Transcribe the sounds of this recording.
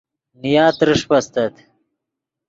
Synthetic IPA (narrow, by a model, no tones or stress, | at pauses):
nijaːt̪ɾɪʂpɐst̪ɐt̪